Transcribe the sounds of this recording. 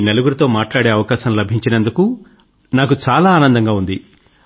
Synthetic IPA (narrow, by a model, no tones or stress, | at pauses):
neluɡuɾit̪o̞ːmaːʈlaːɽe̞ːɐʋɐkaːʃɐmlɐbʱiɲt͡ʃinɐnd̪uku | naːkut͡ʃaːlaːnɐnd̪ɐŋɡaːund̪i